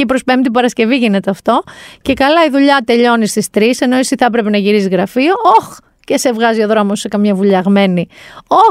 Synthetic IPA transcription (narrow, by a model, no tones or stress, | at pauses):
ipɾo̞spemt̪ibɐɾɐsce̞viʝine̞t̪eɐft̪o̞ce̞kɐlɐiðuʎɐt̪e̞ʎo̞nist̪ist̪ɾise̞no̞isiθɐpɾe̞pe̞nɐʝiɾisiɣɾɐfio̞ox | ce̞se̞vɣɐzio̞ðɾo̞mosːe̞kɐmɲɐvuʎɐɣme̞nio